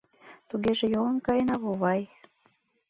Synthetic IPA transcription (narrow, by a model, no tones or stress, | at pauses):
t̪uɣeʒejolə̆mkɑjənɑβoβɑj